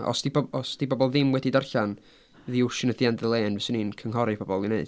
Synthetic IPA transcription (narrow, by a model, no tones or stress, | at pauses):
ɔ̰sd̥ibɔɔsd̥ibɔbɔlˠðɪmwɛdidarɬan | ðiʊʃɪnəθjandəlˠeːnvɛsəninkʰəŋɦɔɾib̥ɔbɔlˠineɨd̥